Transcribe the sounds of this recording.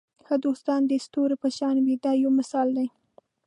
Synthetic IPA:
xəd̪ost̪ɑnd̪əst̪oɾepəʃɑnwid̪ɑjawmɪsɑld̪aj

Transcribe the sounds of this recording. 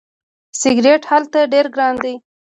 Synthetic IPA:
sɪɡɾeʈhalt̪aɖeɾɡɾɑnd̪ej

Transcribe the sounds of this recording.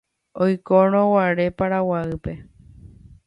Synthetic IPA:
ojkoɾ̃õwaɾe̞paɾawaɨpe̞

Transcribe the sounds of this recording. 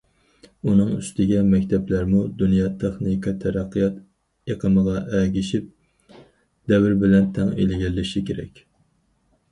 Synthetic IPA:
unɨŋy̰st̪ɪɡʲɛmɛkʲt̪ʰɛplæɾmud̪unjɑːt̪ʰeχnikʰɑt̪ʰɛɾæqʰːijɑt̪ | eqʰəməʁɑʔɛɡʲiʃip̚ | d̪ɛwɪɾbɪlɛnt̪ʰɛŋelɪɡʲɛlːɪʃikʲeɾɛ̰kʲ

